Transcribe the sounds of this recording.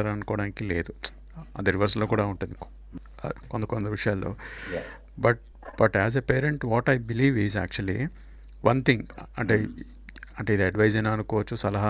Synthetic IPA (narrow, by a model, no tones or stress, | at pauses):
ɐɾɐnukɔːɽaːnikile̞ːd̪u | ɐ̰d̪ɐɾiʋɐɾsloːkuːɽaːuɳʈund̪i | kond̪ɐkond̪ɐʋiʂɐjaːlːo̰ː | bɐʈ̚ | b̥ɐʈæːzepeːɾeɳʈʋɔːʈɐjbiliːʋizæːk̚t͡ʃuɐlḭ | ʋʔɐnt̪ʰiŋɡɐ̰ɳʈe | ɐɳʈeːid̪iɐɖʋɐjzenɐnukɔːʋɐt͡ʃːusɐlɐɦa